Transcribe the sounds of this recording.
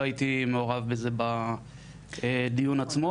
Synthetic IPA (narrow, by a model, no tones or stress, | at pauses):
ajit̪imeoʁavbezeba | ed̪ijunat͡smo